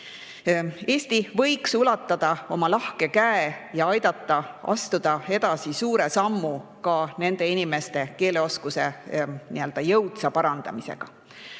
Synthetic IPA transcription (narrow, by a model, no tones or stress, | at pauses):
e̞ːst̪ivɤ̞jksulɑt̪ːˑɑd̪̥ɑo̞mɑlɑhke̞kæejɑɑjd̪̥ɑt̪ˑːɑɑ̰st̪ud̪̥ɑe̞d̪ɑsisuːɾe̞sɑmːukɑne̞nd̪̥e̞inime̞st̪e̞ke̞ːleo̞skuse̞niø̞ld̪̥ɑjɤwt̪sɑpɑɾɑnd̪̥ɑ̰misḛɡ̥ɑ̰